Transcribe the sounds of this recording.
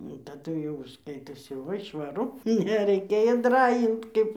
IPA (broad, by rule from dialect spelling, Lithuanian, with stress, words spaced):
tɐˈdʊ jɛʊ ˈskɐɪtoːsʲɪ ˈʋɐ ɪ ʃʋɐˈrʊ nʲɛrʲɛɪˈkʲeːjoː ˈdrɑːjɪnt ˈkɐɪp